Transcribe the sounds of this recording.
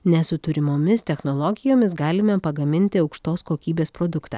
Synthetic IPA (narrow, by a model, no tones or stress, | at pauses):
nʲɛsʊt̪ʊɾʲɪmoːmʲɪst̪ʲɛxnoːlˠɔːɡʲɪjoːmʲɪsɡɑːlʲɪmɛpɐɡɐmʲɪnʲt̪ʲɪɒʊkʃt̪oːskoːkʲiːbʲeːspɾoːd̪ʊkt̪ɑ̰ː